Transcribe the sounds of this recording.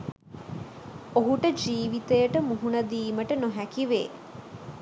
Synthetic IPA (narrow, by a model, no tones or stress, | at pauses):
oɦuʈəd͡ʒiːʋit̪ejəʈəmuɦunɐd̪iːməʈənoɦækiʋḛː